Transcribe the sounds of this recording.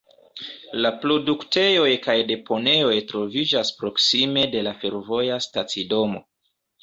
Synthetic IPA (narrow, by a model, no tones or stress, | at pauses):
lapɾo̞dukte̞jo̞jkajde̞po̞ne̞o̞jtɾo̞vid͡ʒaspɾo̞ksime̞de̞lafe̞ɾvo̞jastat͡sido̞mo̞̰